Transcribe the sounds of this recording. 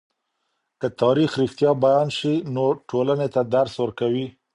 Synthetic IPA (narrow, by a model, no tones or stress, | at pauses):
kət̪ɑɾixɾixt̪jɑbajɑnʃinoʈʰolanet̪ad̪aɾswəɾkawi